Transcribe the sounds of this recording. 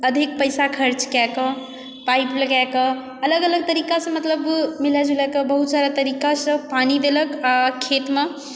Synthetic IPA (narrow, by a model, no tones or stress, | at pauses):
əd̪ʱik̚pəjsakʰəɾt͡ʃkakə | paipləɡakə | ələɡələɡ̚t̪əɾikasə̃mət̪ləbmilad͡ʒʱulɛkəbəɦut̪saɾat̪əɾikasə̃panid̪eləkakʰet̪me